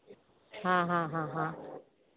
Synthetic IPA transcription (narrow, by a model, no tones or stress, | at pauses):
ɦãːɦãɦãɦã